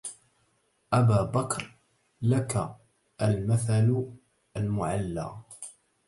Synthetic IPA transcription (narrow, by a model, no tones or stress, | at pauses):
ʔabaːbakɾ | laka | ʔalmaθal | ʔalmʊʕalːa̰ː